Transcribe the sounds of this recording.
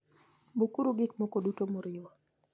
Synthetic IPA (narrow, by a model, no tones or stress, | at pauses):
bukuɾuɡɪkmɔkodutomoɾɪwa